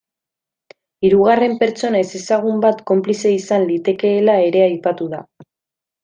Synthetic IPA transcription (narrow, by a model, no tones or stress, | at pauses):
iɾuɣare̞mpe̞ɾt͡so̞naese̞saɣ̞umbat̪ko̞mplise̞isanlit̪e̞ke̞ːlae̞ɾe̞ajpat̪uða